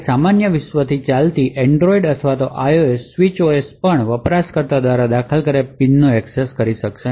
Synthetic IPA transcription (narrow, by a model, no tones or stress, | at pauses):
samanjəʋɪʃʋət̪ʰit͡ʃalt̪iʔɛɳɖɾoiɖət̪ʰəʋat̪oʔajoesʋit͡ʃoespəɳʋəpɾaskəɾt̪ad̪ʋaɾad̪akʰəlkəɾepinːoɛkseskəɾiʃəkʃe